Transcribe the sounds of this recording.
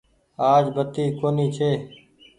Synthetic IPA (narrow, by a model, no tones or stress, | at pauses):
aːd͡ʒbət̪iːkoːniːt͡ʃʰeː